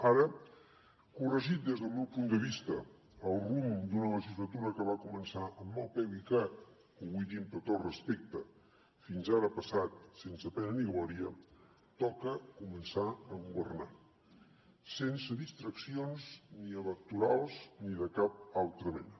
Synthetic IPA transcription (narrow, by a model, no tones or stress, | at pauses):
aɾə | kurəʒit̪̚d̪ezðəlˠmɛwpund̪əβist̪əː | lˠrumd̪unələʒizlət̪uɾəkəβakumənsaʔəmːɔlˠpɛwikat | uβujðimpɾət̪ot̪rəspek̚t̪ə | finzaɾəpəsat̪sensəpɛnəniɣlɔɾiə | t̪ɔkəkumənsaəɣuβərna | sensəðist̪ɾəksionzniəβək̚t̪uɾalˠzniðəkap̚alˠt̪ɾəβɛ̰nə